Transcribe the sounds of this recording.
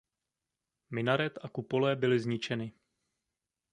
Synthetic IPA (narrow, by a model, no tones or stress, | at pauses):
mɪnaɾɛt̪ʔakupo̞lɛːbɪlɪzɲɪt͡ʃɛnɪ